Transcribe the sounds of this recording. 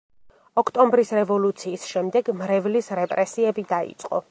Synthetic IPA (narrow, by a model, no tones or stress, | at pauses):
ɔkʰt̪ʼɔmbɾisɾɛvɔlut̪sʰiːsʃɛmd̪ɛɡmɾɛvlisɾɛpʼɾɛsiɛbid̪aḭt̪sʼqʼɔ̰